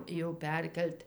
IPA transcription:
jɛʊ ˈpʲɛrʲkʲɛlʲtʲ

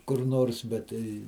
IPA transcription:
kʊr ˈnoːrs bʲɛt ˈtɐɪ

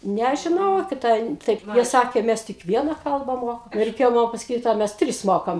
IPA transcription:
nʲɛʒʲɪˈnɐʊ kʲɪˈtɐ ɪn ˈtɐɪp ˈsɑːkʲeː ˈmʲæs tʲɪk ˈʋʲiɛnɐ ˈkɐlˠbɐ ˈmoːkɐ ɪ rʲɛɪˈkʲeːjoː ˈmɐn pɐsɐˈkʲiːt oː ˈmʲæs ˈtʲrʲɪs ˈmoːkɐm

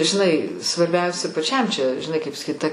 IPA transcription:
ʒʲɪˈnɐɪ sʋɐrʲˈbʲɛʊsʲɛ pɐˈt͡ʃʲɛm t͡ʃʲɛ ʒʲɪˈnɐɪ kɐɪp sɐˈkʲiːt tɐ

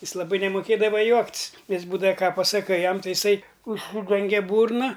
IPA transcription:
ˈjɪs lˠɐˈbɐɪ nʲɛmoːˈkʲeːdɐʋɐ ˈjuɔktʲsʲ ˈjɪs ˈbuːdɐʋɐ ˈkɑː pɐsɐˈkɐɪ ˈjɛm ˈtɐɪ jɪˈsɐɪ ʊʃʲˈsʲiːdʲɛŋʲɡʲɛ ˈbuːrnɐ

